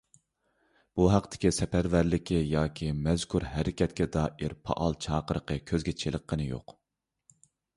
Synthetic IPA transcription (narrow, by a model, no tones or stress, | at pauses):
b̥uɦæqt̪ʰɪ̥kʲisɛpæɾvæɾlɪkʲijɑːkʲʰimɛzkʰuɾɦæɾɪkʲɛt̪kʲɛd̪ɑːʔiɾpʰɑ̰ʔɑlˠt͡ʃʰɑːqəɾəqʰəkʲʰøzɡʲɛt͡ʃʰelˠəqːənɨjo̰q